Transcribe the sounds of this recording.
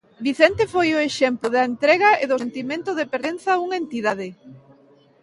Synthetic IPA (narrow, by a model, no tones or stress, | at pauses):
biθɛnt̪efojʊeʃɛmplʊðɐent̪ɾɛɣɐeðʊsent̪imẽnt̪ʊðepeɾenθɐuŋent̪iðað̞ɪ